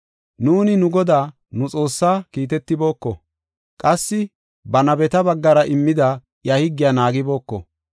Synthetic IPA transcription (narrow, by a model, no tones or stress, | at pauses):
nuːnɪnʊɡɔd̪aː | nʊt͡sʼo̞ːsːaːkiːt̪̬ɛt̪ːɪbo̞ːkːɔ | kʼɐsːɪ | bɐnɐbɛt̪ɐbɐɡːɐɾɐʔɪmːɪd̪ɐ | jɐhɪɡːɪjaːnaːɡɪbo̞ːkːɔ̰